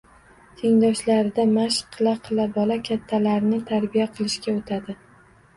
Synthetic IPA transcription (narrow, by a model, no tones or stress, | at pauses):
t̪ʰeŋd̪ɒʃlaɾɪd̪amaʃqʰːɨlˠaqʰɨlˠabɒlakʲʰat̪ʰːalaɾɪnɪt̪ʰaɾbijaqʰɨlˠɪʃkʲaot̪ʰad̪ɪ